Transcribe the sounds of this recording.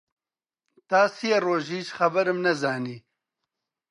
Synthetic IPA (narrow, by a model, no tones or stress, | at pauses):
t̪aːsijɐroːʒiːʃxɐbɐɾmnɐzaːniː